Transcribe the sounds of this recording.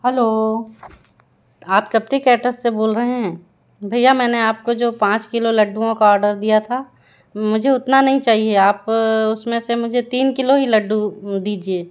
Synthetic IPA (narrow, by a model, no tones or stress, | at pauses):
ɦɛloː | aːpsɐp̚ʈikɛːʈəsːeboːlɾɐɦẽɦɛ̃ː | bʱɐjamɛːneaːp̚kod͡ʒoːpãːt͡ʃkɪlolɐɖːuõkaɔːɾɖəɾd̪ijat̪ʰa | mʊd͡ʒʱeʊt̪nanɐɦĩt͡ʃaːɦieaːpʊsmẽsemʊd͡ʒʱet̪iːnkɪloɦilɐɖːud̪iːd͡ʒieː